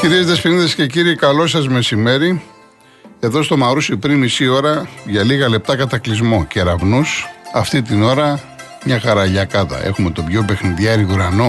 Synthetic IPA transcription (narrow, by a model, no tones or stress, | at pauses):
ciɾiezðespiniðesce̞ciɾikɐlo̞s̬ɐzme̞sime̞ɾi | e̞ðo̞st̪o̞mɐɾusipɾinmisio̞ɾɐʝɐliɣɐle̞p̚t̪ɐkɐt̪ɐklizmo̞ce̞ɾɐvnusɐft̪it̪̬ino̞ɾɐ | mɲɐxɐɾɐʎɐkɐt̪ɐ̰ʔe̞xume̞t̪o̞bʝo̞pe̞xniðiɐɾiuɾɐno